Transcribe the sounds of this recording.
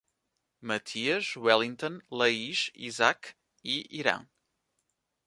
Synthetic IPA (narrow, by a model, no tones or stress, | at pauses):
mɐt̪ʰiɐʃwɛlˠĩnt̪õlˠɐiʃḭzak | iiɾɐ̰̃w̃